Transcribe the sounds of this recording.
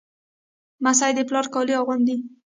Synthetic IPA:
masajd̪eplɑɾkɑliɑɣwand̪i

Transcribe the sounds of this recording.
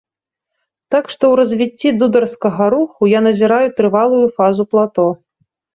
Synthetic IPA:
t̪akʂt̪ɔwɾɐzʲvʲit͡sʲːid̪ud̪ɐrskɐɣɐɾuxujanɐzʲiɾajut̪ɾɨvalˠujufazuplˠat̪ɔ

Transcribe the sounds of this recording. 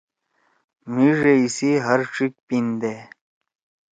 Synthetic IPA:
miʐeisiɦəɾʈ͡ʂik̚pind̪e

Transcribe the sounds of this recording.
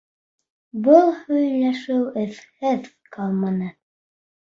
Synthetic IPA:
bɤlˠhɵ̆jlæʃɘwɘ̆θhɘðkʰɑlˠmɤ̆nɤn

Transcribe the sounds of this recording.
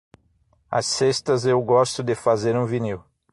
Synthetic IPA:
ɐ̰sest̪ɐzewɡɔst̪ʊd̪ɪfazeɾũviniw

